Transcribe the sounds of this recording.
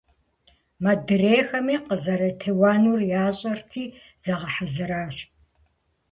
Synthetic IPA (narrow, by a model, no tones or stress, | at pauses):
mɐdɨreːxɐmiːqəzɐɾɐtʰeːwaːnuːrjaːɕʼɐrtʰiː | z̥ɐʁɐħazɨɾaːɕ